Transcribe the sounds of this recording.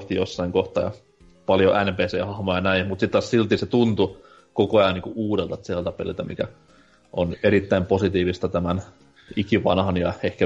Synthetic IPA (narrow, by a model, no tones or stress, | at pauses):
ht̪ijosːɑiŋkoht̪ɑːjɑ̰ | pɑljoʔænpeːsḛːhɑhmojɑɑnæimut̪sit̪t̪ːɑssilt̪iset̪unt̪u | kokoɑjɑniːŋkuuːdelt̪ɑt̪siɑlt̪ɑpḛlḭlt̪æmḭkæ̰ | ʔoneɾit̪ːæimposit̪iːʋist̪ɑt̪æmæn | ikiʋɑ̰nhɑnjɑehkæ